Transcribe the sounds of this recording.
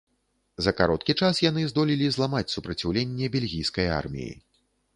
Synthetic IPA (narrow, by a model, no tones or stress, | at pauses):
zɐkaɾɔt̪kʲit͡ʂasjan̪ɨzd̪ɔlʲilʲizlˠamat͡sʲsupɾɐt͡sʲawlʲenʲːɛbʲelʲɣʲijskɐja̰rmʲḭjḭ